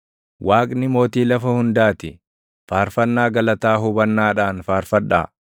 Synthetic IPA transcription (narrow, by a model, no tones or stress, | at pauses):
wʔaːkʼnɪmo̞ːt̪iːlɐfɐhʊnd̪aːt̪ɪ | faːɾfɐnːaːɡɐlɐt̪aːɦʊbɐnːaːᶑaːnfaːɾfɐᶑa̰ː